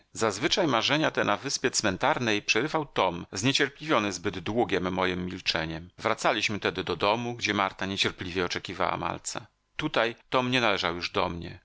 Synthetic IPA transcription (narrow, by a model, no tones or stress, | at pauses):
zazvɘt͡ʂajmaʐɛɲat̪ɛnavɘspʲjɛt̪smɛnt̪aɾnɛjpʂɛɾɘvawt̪ɔmzɲɛt͡ɕɛɾplʲivʲjɔnɘzbɘd̪d̪wuɡʲɛmːɔjɨmːʲilt͡ʂɛɲɛmvɾat̪salʲiɕmɘt̪ɛd̪ɘd̪ɔd̪ɔmuɡd͡ʑɛmaɾt̪aɲɛt͡ɕɛɾplʲivʲjɛɔt͡ʂɛkʲiva̰wa̰ma̰lt̪sa̰ | t̪ut̪ajt̪ɔmɲɛnalɛʐawjuʐd̪ɔ̰mɲɛ̰